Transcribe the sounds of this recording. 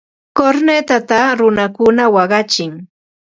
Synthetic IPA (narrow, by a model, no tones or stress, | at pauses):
koɾnet̪at̪aɾʊnakʊnawɑɢɑt͡ʃɪŋ